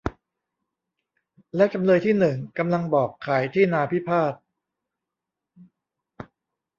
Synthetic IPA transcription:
lɛ˦˥wt͡ɕa˧mlɤː˧jt̪ʰiː˥˩nɯ˨˩ŋka˧mla˧ŋbɔː˨˩kʰːaː˩˦jt̪ʰiː˥˩naː˧pʰi˦˥pʰaː˥˩t̪̚

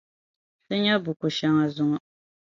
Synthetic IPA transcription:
sɨ˦ɲa˦bu˨kʊ˨ʃa˦ŋa˨zʊ˦ŋɔ˨

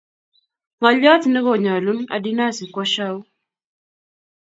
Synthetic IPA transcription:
ŋɔ˨ʎːɔ˦tnɛ˦ɣɔ˨ɲa˨lu˦na̰˨di˦na˦si˨kɔ˦ʃa˦u˦

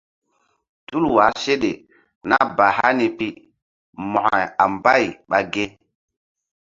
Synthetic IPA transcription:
tu˦lwa˨˦se˦ɗe˨ | na̰˦ba˨ha˦ni˨pi˦ | mɔ˨a˨a˨mba˦˨jɓa˨ɡe˦

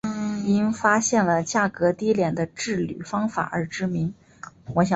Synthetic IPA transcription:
i˥ŋfa˥ɕjɛ˥˩nlə˩t͡ɕja˥˩kɤ˧˥t̪i˥ljɛ˨˩nd̪ə˦ʈ͡ʂɻ̩˥˩ly̰˨˩fɑ˥ŋfa̰˨˩ə̰˞˧˥ʈ͡ʂɻ̩˥mi˧˥ŋ | wɔ˧˥ɕjɑ˨˧

